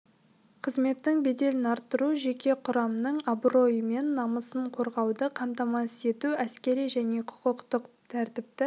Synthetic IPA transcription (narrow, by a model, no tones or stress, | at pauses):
qʰəzme̞t̪ːɪŋbe̞d̪e̞lɪnɑɾt̪ːəɾuʒe̞kʲe̞qʰʊɾɑmənəɴabro̞jəme̞nːɑməsəɴqʰo̞ɾʁɑwd̪əqʰɑmt̪ɑmɑse̞t̪uæskʲe̞ɾijʒæne̞qʰʊ̥qəqt̪əq | t̪ʰæɾt̪ɪp̚t̪ɪ